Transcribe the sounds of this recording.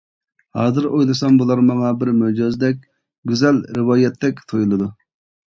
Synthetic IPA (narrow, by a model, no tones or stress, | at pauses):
hɑːzɨɾojlˠɨsɑmbulˠɑɾmɑŋɑbɪɾmød͡ʒɑzd̪ɛkʲ | ɡʲyzɛlɾɪwɑːjɛt̪ʰːɛkʲt̪ʰojulˠɨd̪u